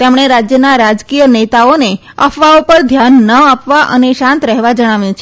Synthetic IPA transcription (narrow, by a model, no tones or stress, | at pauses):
t̪emɽ̃eɾad͡ʒjənaɾad͡ʒkijənet̪aone | ə̰fʋaopəɾd̪ʱjanːəapʋaʔəneʃãnt̪ɾɛɦʋad͡ʒəɽ̃aʋjũt͡ʃʰ